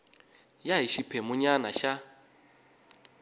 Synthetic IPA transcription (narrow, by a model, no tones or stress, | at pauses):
jaɦiʃipʰemuɲanaʃa